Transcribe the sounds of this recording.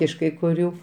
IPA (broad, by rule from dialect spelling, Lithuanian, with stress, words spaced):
ɪʃ kɐɪ kʊˈrʲuː